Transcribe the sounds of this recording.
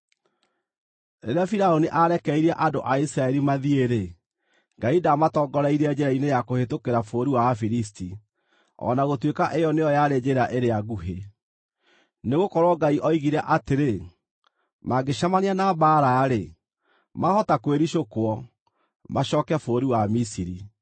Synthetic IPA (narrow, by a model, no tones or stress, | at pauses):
eɾeafiɾaoniʔaɾɛkɛiɾaʔadoʔaisiɾaɛɾimaðieɾe | ŋɡaidamatɔːɡɔɾɛiɾeɛd͡ʑɛɾainejakohetokeɾafoːɾiwafiɾis̬ti | ɔ̰naɣotwekaʔejɔnejɔjaɾed͡ʑeɾaʔeɾeaɣuɦe | neɣokɔɾwɔɡaiʔɔiɣiɾɛʔateɾe | maɡeʃamaneanabaɾaːɾe | mahɔtakweɾiɕokwɔ | maɕɔːkɛfoːɾiwamisiɾi